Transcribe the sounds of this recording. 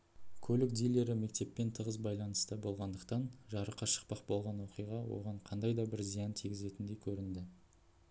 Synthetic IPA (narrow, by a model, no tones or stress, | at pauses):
kʲʰɵlɪk̚d̪ijle̞ɾɪme̞k̚t̪e̞pːe̞nt̪ʰəʁəzbɑjlˠɑnəst̪əbo̞lˠʁɑnd̪əqt̪ɑnʒɑɾəqʰɑʃə̥q̚pɑq̚bo̞lˠʁɑnwo̞qijʁɑwo̞̰ʁɑɴqʰɑnd̪ɑjd̪ɑbɪɾzijɑnt̪ʰiɡʲɪze̞t̪ɪnd̪e̞jkʲʰɵɾɪnd̪ɪ